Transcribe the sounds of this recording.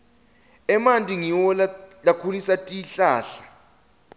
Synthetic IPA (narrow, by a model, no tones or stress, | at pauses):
ɛmantʼiŋiwɔlalakʰulisatʼiɬaːɬḁ